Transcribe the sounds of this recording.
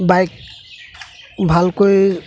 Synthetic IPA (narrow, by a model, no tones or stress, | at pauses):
bajk̚ | bʱalkoj